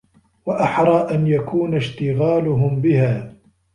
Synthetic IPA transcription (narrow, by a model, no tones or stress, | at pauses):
waʔaħɾˤɑːʔanjakʰuːnaʃt̪ɪɣaːlʊɦʊmbɪhaː